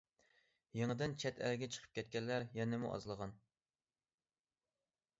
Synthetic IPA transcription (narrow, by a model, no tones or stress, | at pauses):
jeŋɨd̪ɪnt͡ʃʰɛt̪ʰæ̰lɡʲɛt͡ʃʰə̥qʰə̥p̚kʲɛt̪̚kʲɛnːæɾjɛnɪmṵʔɑ̰zlˠəʁɑn